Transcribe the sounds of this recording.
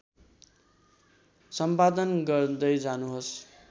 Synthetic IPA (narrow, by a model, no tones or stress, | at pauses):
sʌmpad̪ʌnɡʌrd̪ʌjd͡zanuɦos